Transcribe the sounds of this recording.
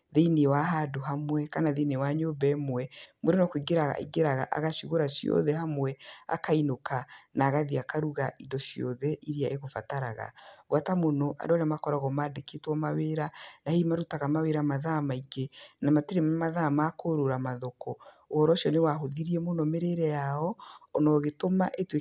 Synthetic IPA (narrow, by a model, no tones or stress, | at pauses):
ðeinewaɦadoɦamwɛkanaðenewaɲobɛmwɛmoɾonɔkwiɡeɾaɣa̰ḭɡeɾaɣa̰ʔa̰ɣaʃuɣoɾaʃiɔ̰ðɛɦamwɛa̰kainokanaːɣaðiakaɾuɣaʔidɔʃiɔ̰ðɛʔiɾiaʔeɣofataɾaɣa̰ɣwatamonɔʔa̰dɔaɾeamakɔɾaɣɔmaːdeketwɔmaweɾanahimaɾutaɣamaweɾamaðamaiɡenamateɾemmaðamaːkoɾoɾamaðokɔ | oɔɾɔʃjɔnewaɦoðiɾiɛmonɔmeɾeɾɛjaɔːnɔɣetomaʔetwe